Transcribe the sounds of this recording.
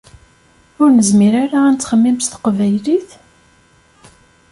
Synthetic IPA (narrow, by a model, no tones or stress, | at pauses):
ʊɾnəzmiɾaɾaːnt͡s̪ːχəmːimst̪qvæjliθ